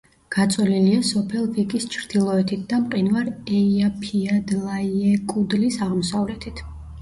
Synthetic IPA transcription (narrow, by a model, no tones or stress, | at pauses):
ɡ̥at̪sʼɔliliasɔpʰɛlˠvikʼist͡ʃʰɾd̪̥ilˠɔɛt̪ʰit̪̚ʰd̪amqʼinvaɾɛiapʰiad̪lˠaiɛkʼud̪lisaʁmɔsavlɛt̪ʰit̪ʰ